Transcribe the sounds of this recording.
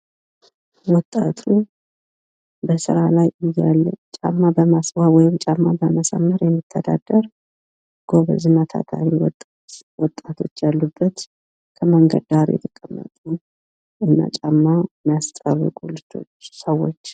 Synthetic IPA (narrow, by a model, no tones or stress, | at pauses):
wɔt̪ʼat̪ʰu | bəsɨɾalajɨjːalːət͡ʃʼamːabəmaswawɔjɪmt͡ʃʼamːabəməsə̰mːəɾjɛmːit̪ʰːəd̪ad̪̥ːəɾ | ɡ̥oβə̰zɨmət̪ʰa̰t̪ʰa̰miwɔt̪ʼ | wɔt̪ʼːat̪ʰo̞t͡ʃːjalːubːət̪ | kʰəməŋɡə̰d̪aɾjɛ̰t̪ʰəkʼəmːə̰t̪ʼu | ʔɨnːa̰t͡ʃʼamːamjast̪ʼərːəkʼulɨd͡ʒo̞t͡ʃsəwːot͡ʃː